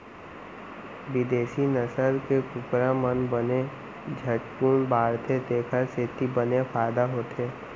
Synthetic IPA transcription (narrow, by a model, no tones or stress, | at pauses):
ʋɪd̪eːʃinəsəɾkekʊpɾamənbəne | d͡ʒʱəʈpuːnbaːɾt̪ʰet̪eːkʰəset̪ibənepʰaːɪd̪aɦoːt̪ʰeː